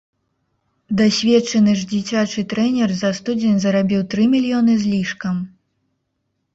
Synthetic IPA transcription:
d̪asʲvʲɛt͡ʂɐnɨʐd͡zʲit͡sʲat͡ʂɨt̪ɾɛnʲɛrzɐst̪ud͡zʲenʲzɐɾabʲiwt̪ɾɨmʲilʲjɔnɨzʲlʲiʂkɐm

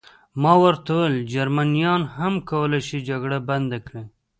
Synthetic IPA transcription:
mɑwəɾt̪aweld͡ʒaɾmanijɑnhamkawəlajʃid͡ʒaɡɽaband̪akɽe

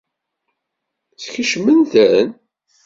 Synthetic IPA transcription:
t͡sxiʃmənθæn

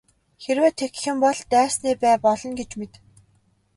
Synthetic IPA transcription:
xeɾwæːt̪ʰek̆xɘ̆mpɔɮt̪æːsniːpæːpɔɮɞ̆nɡet͡ɕmet̪

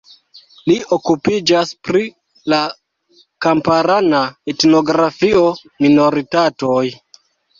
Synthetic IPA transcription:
lio̞kupid͡ʒaspɾi | la | kampaɾanaetno̞ɡɾafio̞ | mino̞ɾitatoj

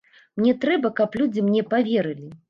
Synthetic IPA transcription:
mnʲɛt̪ɾɛbɐkɐplʲud͡zʲimnʲɛpavʲɛɾɨlʲi

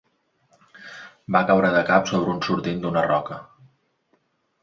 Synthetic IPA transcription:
bakawɾəðəkapsoβ̞ɾəunsuɾt̪ind̪unərɔkə

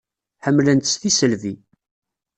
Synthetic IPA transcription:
ħəmːlənt̪ə̥sθisəlvi

